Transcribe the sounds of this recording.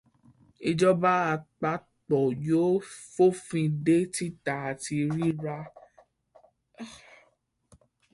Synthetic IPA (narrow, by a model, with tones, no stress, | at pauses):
i˧d͡ʒɔ˦ba˦a˧k͡pa˧˦ | tɔ˨jo˨˦fo˦fĩ˧de˦ti˦ta˨a˨ti˧ɾi˦ɾa˧